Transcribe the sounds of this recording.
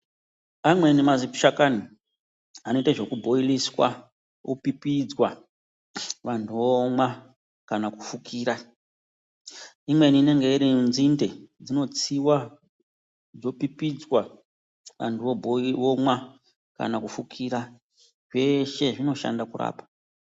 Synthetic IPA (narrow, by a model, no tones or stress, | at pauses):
amwe̞nimazipʃakani | anoitaʐe̞kubʱo̞iliswa | opipid͡zwa | ʋantʰuʋomwa | kanakufukʰiːɾa | imwe̞niːne̞ŋɡe̞iɾinzinde̞d͡zino̞t͡siwa | d͡zo̞pipid͡zwa | ʋa̰ntuʋobʱoʋomwa | ka̰nakufukʰiːɾa | ʐe̞ʃe̞ʐino̞ʃa̰ndakuɾa̰ːpḁ